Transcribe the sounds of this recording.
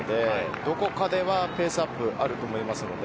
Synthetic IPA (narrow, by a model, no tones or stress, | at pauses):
d̪e̞d̪o̞ko̞kad̪e̞βape̞ːsɨapːɯ̟ʔaɾɯ̟t̪o̞mo̞imasɨno̞̰d̪e